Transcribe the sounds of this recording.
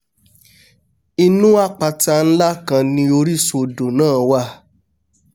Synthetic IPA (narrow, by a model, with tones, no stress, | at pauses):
i˧nũ˦a˦˨k͡pa˧ta˧n̩˦la˦kã˧nĩ˧o˧ɾi˦˨so˧do˨nãː˦˨wa˦˨